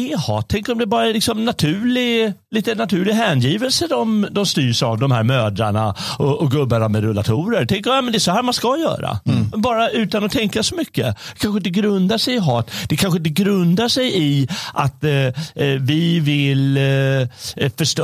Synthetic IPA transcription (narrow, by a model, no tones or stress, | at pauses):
ɛhɑ̰ːt̪ʰːɛŋkɔmd̪ɛbɑːɾaɛlɪksɔmnat̪ʰʉːlɪliːt̪ənat̪ʰʉ̟ːɭɪɦæːnjiːvəlsəd̪ɔmd̪ɔmst̪yːɾʂavd̪ɔmhæ̰ːɾmøːd̪ɾaɳaɔʔɔɡɵbːanamɛd̪ɾɵla̰t̪ʰuːɾəɾt̪ʰɛŋkəɾmjaːmɛnd̪ɛʂɔhæːɾmanskajœ̰ːɾa̰bɑːɾaʉ̟ːt̪anɔt̪ʰɛŋkasɔmʏkːəkʰanɧəɪnt̪əɡɾɵnd̪aʂɛjɪɦɑːt̪d̪̥ɛkʰanɧ̬əɪnt̪̬əɡɾɵnd̪aʂɛjɪʔat̪ | vɪvɪl | fœʂ